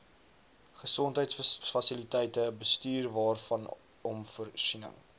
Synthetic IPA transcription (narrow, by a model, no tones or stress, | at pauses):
χəsɔntɦəjtsfɐsilitɛjtəbəstyːrvɑːrfɐn | ɔmfərsinə̰ŋ